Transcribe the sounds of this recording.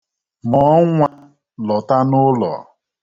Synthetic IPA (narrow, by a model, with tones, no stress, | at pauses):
mɔ˨˦ŋʷa˦ | lɔ˨ta˦nʊ˦lɔ̰˨